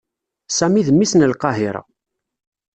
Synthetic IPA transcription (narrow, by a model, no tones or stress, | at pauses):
sæmiðəmːisnəlqɑɦiɾˤɑ̰